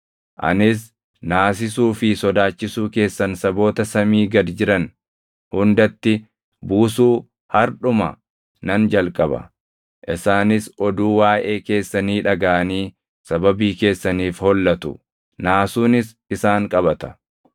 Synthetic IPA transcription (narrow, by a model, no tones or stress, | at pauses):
ʔɐ̰nɪs̬ | naːs̬ɪsuːfɪsɔd̪aːt͡ʃːɪsuːke̞ːsːɐnsɐbo̞ːt̪ɐsɐmiːɡɐd̪d͡ʒɪɾɐn | hʊnd̪ɐt̪ːɪ | buːsuː | hɐɾᶑʊmɐ̰ | nɐnd͡ʒɐlkʼɐbɐ̰ | ʔɪsaːnɪsɔd̪uːwaːʔeːke̞ːsːɐniːᶑɐɡaʔɐniː | sɐbɐbiːke̞ːsːɐniːfhɔlːɐt̪ʊ̰ | naːsuːnɪs | ɪsaːŋkʼɐbɐt̪ɐ̥